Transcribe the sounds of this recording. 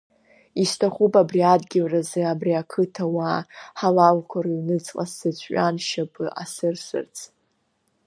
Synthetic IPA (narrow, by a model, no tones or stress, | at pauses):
istʰaχʷupʼabriadɡʲɪlrazeabriakʰɨtʰawaħalalkʷʰaɾainɨt͡sʼqʼa̰sɨt͡ɕʷʰʼɥʲʷʼanʃapʼɨʔa̰sɨrsɨ̰rt͡sʰ